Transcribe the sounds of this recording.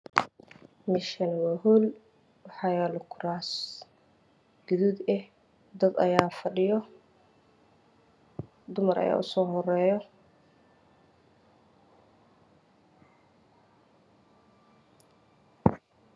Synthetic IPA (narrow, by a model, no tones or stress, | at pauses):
mɪʃɐnwɐɦul | wħɑjaːlʊkʰʊɾaːs | ɡ̥ʊðud̪ɛh | d̪ɐd̪ɐ̰jaːfɐɖɪjɔ | d̪ʊmɐɾɐ̰ja̰ːʔʊsɔːɦɔrɛːjɔ